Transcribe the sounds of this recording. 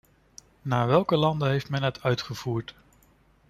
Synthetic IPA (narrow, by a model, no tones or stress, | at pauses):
naːɹʋɛlˠkəlɑndəɦejftmɛnɦətʰœɥtχəv̥uːɹt